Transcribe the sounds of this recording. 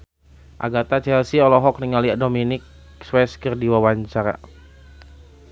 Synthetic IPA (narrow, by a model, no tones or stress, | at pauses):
ʔa̰ɡat̪at͡ʃɛlsiɔlɔɦɔk̚niŋaliaʔdominɪk̚ | swɛskərdiwawaɲt͡ʃaɾa̰